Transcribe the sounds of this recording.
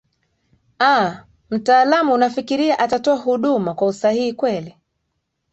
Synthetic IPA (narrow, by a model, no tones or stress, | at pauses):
a | m̩taːlamuːnafikiɾiaʔatatɔahuɗumakwausahihikwɛli